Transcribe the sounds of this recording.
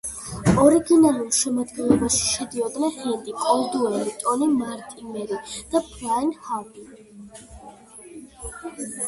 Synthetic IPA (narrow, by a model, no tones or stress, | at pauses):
ɔɾiɡinalˠulˠʃɛmad̪ɡɛnlˠɔbaʃi̥ʃɛd̪iɔd̪nɛχɛnd̪ikʼɔld̪uɛɾit̪ʼɔnimaɾt̪ʼimɛɾid̪̥apʰɾainhabi